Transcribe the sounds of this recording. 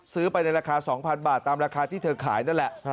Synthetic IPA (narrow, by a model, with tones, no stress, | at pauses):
sɯː˦˥pa˧jna˧jɾaː˧kʰaː˧sɔː˩˦ŋpʰa˧nbaː˨˩t̪ːaː˧mɾaː˧kʰaː˧t̪ʰiː˥˩t̪ʰɤː˧kʰaː˩˦jna˥˩n˨lɛ˨˩ʔ